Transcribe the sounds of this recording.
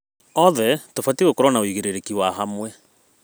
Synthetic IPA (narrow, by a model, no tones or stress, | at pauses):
ɔðɛtofatiɣokɔɾɔnaoiɣeɾeɾekiwaɦamwɛ